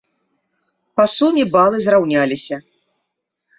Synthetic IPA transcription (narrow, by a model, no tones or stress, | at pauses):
pasumʲibalˠɨzrawnʲalʲisʲɐ